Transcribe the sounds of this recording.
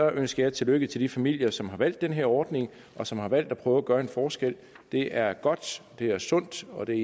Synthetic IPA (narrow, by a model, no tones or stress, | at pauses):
ɒʔønsɡ̥ɐjɑ̈ɪt͡sʰe̝løɡ̥ət͡sʰe̝ld̥ifæmil̰jɐsɒ̽mɦɑ̈ʋæl̰d̥ːenɦeɐ̰ɒːd̥ne̝ŋ | ʔɒ̽sɒ̽mhɑ̈ʋæl̰d̥æpʰʁœːʊɐæɡ̥ɶːɐenfɒːsɡ̥el̰ | d̥e̝ʔæɐɡ̥ɒ̽d̥d̥e̝æɐsɔ̽n̰d̥ɒ̽d̥e̝